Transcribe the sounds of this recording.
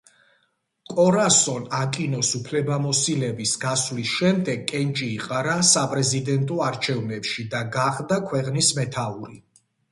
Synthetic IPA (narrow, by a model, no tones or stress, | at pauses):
kʼɔɾasɔnakʼinɔsupʰlɛbamɔsilɛbisɡaslisʃɛmd̪ɛɡʼɛnt͡ʃʼiːqʼaɾasapʼɾɛzid̪ɛnt̪ʼɔaɾt͡ʃʰɛvnɛpʃid̪aɡaχd̪akʰwɛqʼnismɛt̪ʰauɾi